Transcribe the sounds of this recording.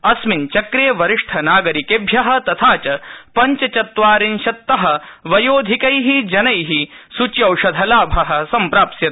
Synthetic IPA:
ɐsmint͡ʃɐkɾeːʋɐɾiʂʈʰɐnaːɡɐɾikeːbʱjɐɦɐ̆t̪ɐt̪ʰaːt͡ʃɐpɐɲt͡ʃɐt͡ʃɐt̪ʋaːɾinʃɐt̪ːɐɦɐ̆ʋɐjoːd̪ʱikɐjɦid͡ʒɐnɐjɦisut͡ʃjɐwʃɐd̪ʱɐlaːbʱɐɦɐ̆sɐmpɾaːpsjɐt̪

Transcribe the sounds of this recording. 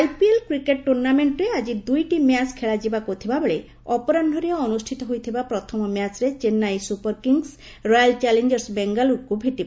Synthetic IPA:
ajpielkɾikeʈʈuɾnameɳʈɔɾead͡ʒid̪ujʈimjaskʰeɭad͡ʒibakot̪ʰibabeɭe | ɔpɔɾanɖʱɔɾiɔɔnusʈʰit̪ɔɦojt̪ʰibapɾɔt̪ʰɔmɔmjat͡ʃɾet͡ʃenːajsupɔɾkiŋs | ɾɔjalt͡ʃalend͡ʒɔɾsbeŋɡalukubʱiʈiba

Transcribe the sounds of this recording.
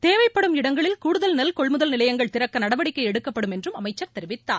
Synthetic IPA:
t̪eːʋɐɪpːɐɽɯmɪɽɐŋɡɐɭɪlkuːɽɯðɐlnɐlkɔɭmɯðɐlnɪlɐjɐŋɡɐɭt̪ɪɾɐkːɐnɐɽɐʋɐɽɪkːɐɪɛɽɯkːɐpːɐɽɯmɛndrɯmɐmɐɪt͡ʃːɐɾt̪ɛɾɪʋɪt̪ːa̰ː

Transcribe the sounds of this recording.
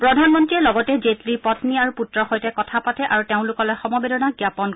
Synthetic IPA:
pɹɔdʱanmɔntɹiɛlɔɡɔtɛzetlipɔtniaɹuputɹɔxojtɛkɔtʰapatɛʔaɹuteʊ̃lʊkɔlɔjxɔmɔbedɔnaɡjapɔn

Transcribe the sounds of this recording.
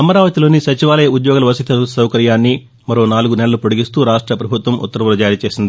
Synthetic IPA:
ɐmɐɾaːʋɐt̪ilo̞ːnisɐt͡ʃiʋaːlɐjɐud̪jɔːɡɐlɐʋɐsit̪ʰɐsɐwkɐɾjaːnːi | mɐɾo̞ːnaːluɡunɛlɐlupoɽiɡist̪uːɾaːʂʈɾɐpɾɐbʱut̪ʋɐmʔṵt̪ːɐɾɐʋɐlɐd͡ʒaːɾit͡ʃe̞ːsind̪i

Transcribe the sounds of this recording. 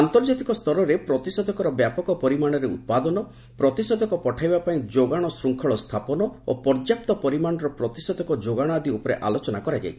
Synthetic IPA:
ant̪ɔɾd͡ʒat̪ikɔst̪ʰɔɾɔɾepɾɔt̪isɔd̪ɔkɔɾɔbjapɔkɔpɔɾimaɽ̃ɔɾeut̪̚pad̪ɔnɔ | pɾɔt̪isɔd̪ʱɔkɔpɔʈʰajbapaĩd͡ʒoɡaɽ̃ɔsɾuŋkʰɔɭɔst̪ʰapɔnɔo̰pɔɾd͡ʒjap̚t̪ɔpɔɾimaɽ̃ɔɾɔpɾɔt̪isɔd̪ʱɔkɔd͡ʒoɡaɽ̃ad̪ʱiupɔɾeʔalot͡ʃɔnakɔɾad͡ʒa̰jt͡ʃʰi̥

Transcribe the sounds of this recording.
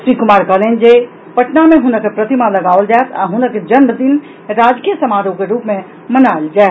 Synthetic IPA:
sɾikʊmaːɾkəlend͡ʒe | pəʈnamẽɦʊnəkepɾət̪imaləɡaːʋəld͡ʒaːet̪ʰa̰ɦʊnəked͡ʒənməd̪in | ɾaːd͡ʒkijəsəmaːɾõkeɾuːpmẽ | mənald͡ʒaːe

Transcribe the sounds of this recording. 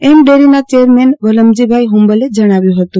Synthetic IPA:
emɖeɾinat͡ʃeəɾmenʋələmd͡ʒibʱaiɦumbəled͡ʒəɽ̃aʋjũɦət̪ũ

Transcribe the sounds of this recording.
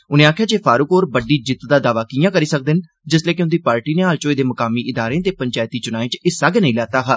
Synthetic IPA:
ʊnẽːaːkʰjaːd͡ʒeːpʰaːɾʊkoːɾbəɖiːd͡ʒɪt̪d̪aːd̪aːʋaːkiːjãːkəɾiːsək̚d̪ɪn | d͡ʒɪsleːkɪʊ̃nd̪iːpaːɾʈiːneːaːlt͡ʃoːiːd̪eːməkaːmiːʔɪd̪aːɾẽːt̪eːpəɲt͡ʃaːjt̪iːt͡ʃʊnaːĩːt͡ʃɪsaːɡɛːnəĩːlɛːt̪aːɦaː

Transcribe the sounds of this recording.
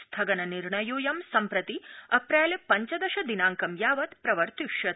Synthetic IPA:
st̪ʰɐɡɐnɐniɾɳɐjoːjɐmsɐmpɾɐt̪iɐpɾeːlpɐɲt͡ʃɐd̪ɐʃɐd̪inaːŋkɐmjaːʋɐt̪pɾɐʋɐɾt̪ukʃɐt̪̚

